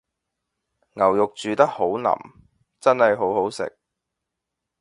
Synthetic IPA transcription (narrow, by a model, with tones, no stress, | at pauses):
ŋɐ˨˩wjʊ˨k̚t͡ʃyː˨t̪ɐ˥k̚ho˨˥wnɐ̰˨˩m | t͡sɐ˥nhɐ˨jɦo˨˥who˨˥wsɪ̰˨k̚